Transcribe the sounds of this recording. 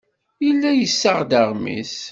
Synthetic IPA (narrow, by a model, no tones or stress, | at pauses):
jəlːæjəsːəʁd̪əʁmḭs